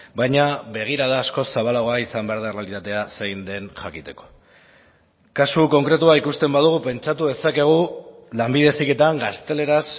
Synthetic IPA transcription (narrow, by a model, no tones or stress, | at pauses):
bajɲabe̞ɣ̞iɾaðaːsko̞saβalaɣo̞aisambeaɾðaerealit̪at̪e̞asejnd̪e̞nxakit̪e̞ko̞̥ | kasuko̞ŋkɾe̞t̪uaikust̪e̞mbað̞uɣ̞upe̞nt͡ʃat̪uðe̞sake̞ɣ̞ulambiðe̞sike̞t̪aŋɡast̪e̞le̞ɾas